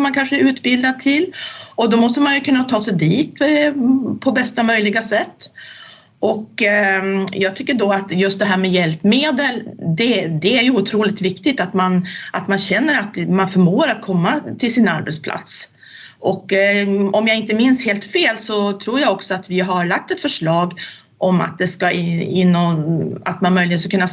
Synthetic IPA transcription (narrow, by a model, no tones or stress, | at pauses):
mankʰanʂəæɾʉ̟ːt̪bɪld̪ad̪̚t̪ʰɪlɔd̪ɔmɔst̪əmanjɵkʰɵnːat̪ʰɑːsɛjd̪iːt̪̚ | pʰɔbɛst̪amœjlɪɡasɛt̪ː | ʔɔk | jɑːɡt̪ʰʏkːəɖɔat̪jɵst̪d̪ɛɦæːɾmɛjɛlpmeːd̪əld̪ɛd̪ɛæɾjɵʊt̪ʰɾuːlɪt̪vɪkt̪ɪt̪at̪manʔat̪manɕɛnːəɾat̪manfœɾmoːɾat̪̚kʰɔmːat̪ʰɪlsɪna̰ɾbɛt̪spʰlʔa̰t̪s | ʔɔkː | ɔmjaɪnt̪əmɪnsheːlt̪feːlsɔt̪ʰɾuːɾjaɡɔksɔat̪vɪɦaɾɭak̚t̪ɛt̪fœʂɭɑːɡ | ʔɔma̰t̪̚d̪ɛskaɪnːɔa̰t̪manmœjlɪɡənkakɵnːa